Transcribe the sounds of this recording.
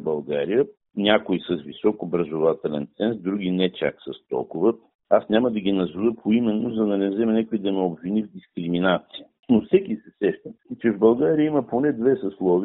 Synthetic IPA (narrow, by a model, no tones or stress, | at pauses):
bɐlˠɡaɾijə | nʲakoisəzvisɔkobɾɐzovat̪ɛlɛ̰nt̪sɛnsd̪ɾuɡʲinɛt͡ʃa̰ksəst̪ɔ̰lˠkʊvə | asnʲaməd̪ɐɡʲinɐzuvəpʰoimɛnːozɐd̪ɐnɛvzɛmɛnʲakʊid̪ɐmɛobvinivd̪iskɾiminat̪sijə | nofsɛkʲisɛsɛʃt̪ət͡ʃɛvbɐlˠɡaɾijəimɐponɛd̪vɛsɐslˠɔvi